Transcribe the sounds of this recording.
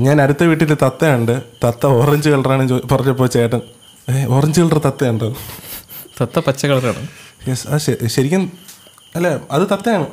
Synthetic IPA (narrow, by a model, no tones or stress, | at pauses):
ɲaːnɐɾut̪ːɐʋiːʈːilt̪ɐt̪ːɐjuɳɖɨt̪ɐt̪ːɐorɐɲd͡ʑɨkɐɭɐraːɳet͡ɕoːpɐrɐt͡ɕːɐpːot͡ɕːejɐʈ̬ːɐn | eorɐɲd͡ʑɨɣɐɭrt̪ɐt̪ːɐjːuɳɖɐðɨ | t̪ɐt̪ːɐpɐt͡ɕːɐkɐɭɐraːɳɨ̰jesɐðɕɐɕɐɾikʲːɐn | ɐlːeɐðɨt̪ɐt̪ːɐjaːɳɨ